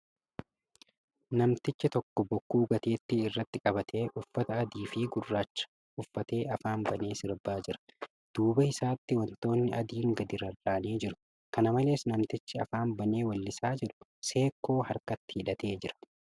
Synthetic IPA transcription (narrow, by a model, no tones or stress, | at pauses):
nɐmt̪ɪt͡ʃːɪt̪ɔkːɔbɔkːuːɡɐt̪eːt̪ːɪːrːɐt̪ːɪkʼɐbɐt̪ʰe̞ːʔʊfːɐt̪ɐːd̪iːfɪɡʊrːaːt͡ʃːɐ̥ | ʔʊfːɐt̪e̞ːɐfaːnbɐne̞ːsɪɾbaːd͡ʒɪɾɐ̥ | d̪̥uːbɐɪsaːt̪ːɪwɐnt̪o̞ːnːɪʔɐd̪iːŋɡɐd̪ɪɾɐrːaːneːd͡ʒɪɾʊ̥ | kɐnɐmɐle̞ːsnɐmt̪ɪt͡ʃːɪɐ̰faːnbɐne̞ːwɐlːɪsaːd͡ʒɪᶑʊ̥se̞ːkːo̞ːɦɐɾkɐt̪ːɪ̥hɪᶑɐt̪ʰe̞ːd͡ʒɪɾɐ̥